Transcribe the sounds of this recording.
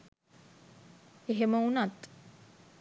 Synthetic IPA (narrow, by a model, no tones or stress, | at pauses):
eɦeməunat̪